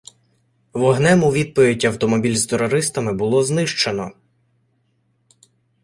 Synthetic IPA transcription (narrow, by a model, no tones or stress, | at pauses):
ʋɔɦnɛmʊʋʲid̪̚pɔʋʲid̚ʲɐwt̪ɔmɔbʲilʲzt̪eɾɔɾɪst̪ɐmɪbʊlˠɔznɪʃt͡ʃenɔ